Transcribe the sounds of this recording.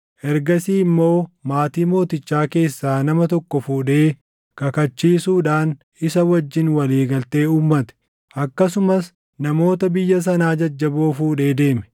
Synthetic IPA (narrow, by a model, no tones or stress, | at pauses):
ʔɛɾɡɐsiːɪmːo̞ːmaːt̪iːmo̞ːt̪ɪt͡ʃːaːke̞ːsːaːnɐmɐt̪ɔkːɔfuːᶑe̞ː | kɐkɐt͡ʃːiːsuːᶑaːn | ɪsɐwɐd͡ʒːɪnwɐliːɡɐlt̪e̞ːuːmːɐt̪ɛ̥ | ʔɐkːɐs̬ʊmɐs | nɐmo̞ːt̪ɐbɪjːɐs̬ɐnaːd͡ʒɐd͡ʒːɐboːfuːᶑe̞ːd̪e̞ːmɛ̥